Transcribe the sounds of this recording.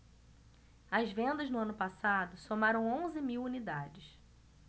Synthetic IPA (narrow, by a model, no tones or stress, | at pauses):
ɐzvẽnd̪ɐznʊɐ̃nʊpasad̪ʊsomaɾɐ̃w̃õzɪmiwunid̪ad͡ʒɪs